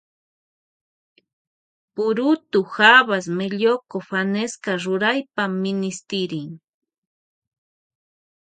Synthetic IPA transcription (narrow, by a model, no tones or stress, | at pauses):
pʊɾʊt̪ʊxaβas̬meʎokofaneskaɾʊɾajpamːɪnɪst̪ɪɾɪŋ